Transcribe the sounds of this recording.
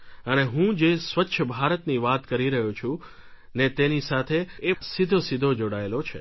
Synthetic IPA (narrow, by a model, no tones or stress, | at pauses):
əneɦũd͡ʒesʋətːʃʰəbʱaɾət̪niʋat̪kəɾiɾəɦũt͡ʃʰũ | net̪enisat̪ʰeːsid̪ʱosid̪ʱod͡ʒoɽaelot͡ʃʰe